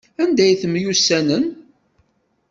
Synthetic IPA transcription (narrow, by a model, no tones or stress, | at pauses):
ænd̪æjθəmjusːænən